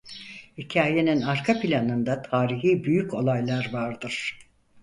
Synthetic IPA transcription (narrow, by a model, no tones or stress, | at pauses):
hicʰaːje̞ninaɾkʰapʰilʲanɯnd̪at̪ʰaːɾiɦiːbyjykcʰo̞lˠajlˠaɾvaɾd̪ɯɾ̥